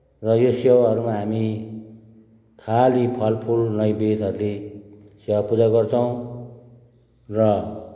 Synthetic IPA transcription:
rʌjosewaɦʌɾumaɦami | kʰalipʰʌlpʰulnʌjbed̪ʌɾule | sewapud͡zaɡʌrt͡sʰʌw̃ | rʌ

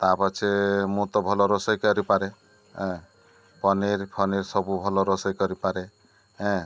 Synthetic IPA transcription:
t̪apat͡ʃʰemũt̪ɔbʱɔlɔɾɔsɔjkɔɾipaɾe | ɦɛ̃ | pʰɔneɾpʰɔneɾsɔbubʱɔlɔɾɔsɔjkɔɾipaɾe | ɦɛ̃

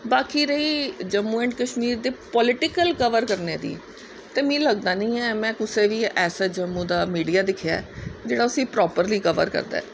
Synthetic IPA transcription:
baːkiːɾəiːd͡ʒəmːuːɛ̃ːɳʈkəʃmiːɾd̪eːpɔːlɪʈɪkəlkəʋəɾkəɾneːd̪ḭː | t̪eːmĩːləɡd̪aːnəĩːɛːmɛ̃ːkʊseːʋiːʔɛːsaːd͡ʒəmːũːd̪aːmiːɖijaːd̪ɪkʰɪja̰ɛd͡ʒeːɽaːʊsĩːpɾɔːpəɾliːkəʋə̰ɾkə̰ɾd̪a̰ːɛː

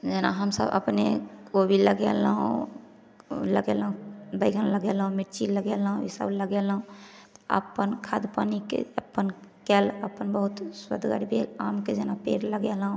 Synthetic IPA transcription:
d͡ʒenaɦəmsə̰bə̰pneobʱiləɡɛlɦṵ̃ | ləɡelũbəɪɡənləɡelɦũmiʈt͡ʃiləɡelɦũḭsə̰bləɡelũt̪ə̰pənkʰad̪pənikḛəpːənkɛləpənbəɦut̪swə̰d̪ʱɡə̰ɽibʱelamked͡ʒenapeɾləɡelɦũ

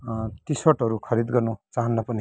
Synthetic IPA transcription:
t̪isʌʈʌɾukʰʌɾid̪ɡʌrnut͡saɦʌnːʌpʌni

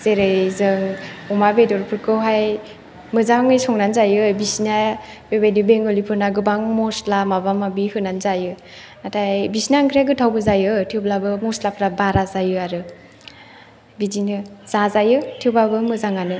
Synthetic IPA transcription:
zeɾɯzɯŋɔmabedɔɾpʰɯɾkʰɯwɦaj | mɯzaŋɯjsɔŋnanzajɯbisna | bebajdibeŋɡɔlipʰɯɾnaɡɯbaŋmɔslamabamabihɯnanzajɯ | natʰajbisnaŋkʰɾjaɡɯtʰawbɯzajɯtʰiwblabɯmɔslapʰɾabaɾazajɯaɾɯ | bidinɯz̥azajɯtʰiwbabɯmɯzaŋanɯ

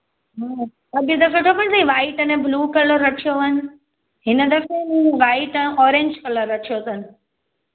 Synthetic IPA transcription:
ɦãː | ɐɡd̪ɐkoʈʰopənt̪iʋaːɪʈɐnẽbluːkɐləɾːɐʈʰijoʋɐnɪ̆ | ɦɪnəd̪ɐkẽmũʋaːɪʈə̃ʔɔːɾẽɲd͡ʒkɐləɾːɐʈʰijosɐnɪ̆

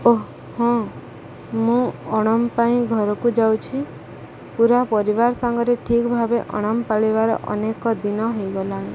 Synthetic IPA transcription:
oɦ | hɔ̃ | mũɔɽ̃ɔmpaĩɡʱɔɾɔkud͡ʒawt͡ʃʰi | puɾapɔɾibaɾɔsaŋɡɔɾeʈʰikbʱabeʔɔɽ̃ɔmpaɭibaɾɔ̰ʔɔ̰nekɔd̪inɔɦojɡɔlaɽ̃i

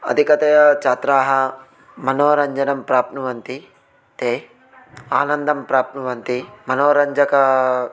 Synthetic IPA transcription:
ɐ̰d̪ʱikɐt̪ɐjɐt͡ʃaːt̪ɾaːɦɐ | mɐnoːɾɐɲd͡ʒɐnɐmpɾaːpnɐʋɐnt̪i | t̪eː | aːnɐnd̪ɐmpɾaːp̚nɐʋɐnt̪imɐnoːɾɐɲd͡ʒɐkɐ

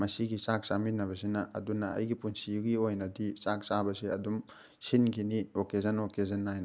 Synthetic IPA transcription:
mɐsiɡisak̚saminːɐβɐs̬inɐʔɐ̰dunɐɐ̰jɡipunsijuɡiojnɐdit͡ʃak̚sabɐseɐdum | sinɡiniokezɐnokezɐnːajnɐ

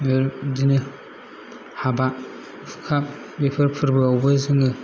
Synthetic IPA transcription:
meɾdini | haba | fkʰa | bepɨɾpʰɨɾbabəziŋə

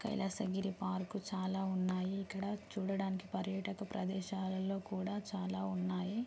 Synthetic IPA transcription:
kɐ̰jlʔɐsɐɡiɾipaːɾkut͡ʃaːlaːunːaːjiːkːɐɽɐt͡ʃuːɽɐɽaːniki̥pɐɾjɐʈɐkɐpɾɐd̪ɛːʃaːlɐlo̞ːkuːɽaːt͡ʃaːlaːunːaːji

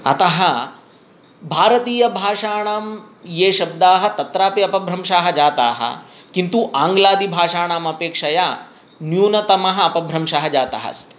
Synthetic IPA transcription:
ɐ̰t̪ɐɦɐ | bʱaːɾɐt̪iːjɐbʱaːʂaːɳaːmjeːʃɐb̚d̪aːɦɐ̆t̪ɐt̪ɾaːpiɐpɐbʱɾɐmʃaːɦɐd͡ʒaːt̪a̰ːɦɐ̰kint̪uʔaːŋɡlaːd̪ibʱaːʂaːɳaːmɐpeːkʂɐja | njuːnɐt̪ɐmɐɦɐɐpɐbʱɾɐmʃaɦɐd͡ʒaːt̪ɐ̰ɦɐ̰st̪

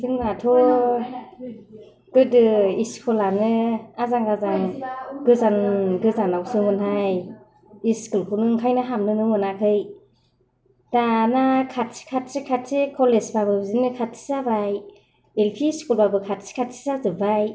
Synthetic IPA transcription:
sʰiŋmatʰɔ | ɡ̥ɯdɯiskʰulanɯazaŋazaŋɡɯzanɡɯzanawsɯŋhunɦaj | iskɯlkʰɯnɯŋkʰajnaɦamnɯnɯmɯnakʰɯj | danakʰat̚si̥kʰat̚sikʰatsikʰɔlesbabɯzinɯkʰat̚sʰi̥zabaj | elpʰiːskulbabɯkʰatsi̥kʰatsʰi̥zazɯbaj

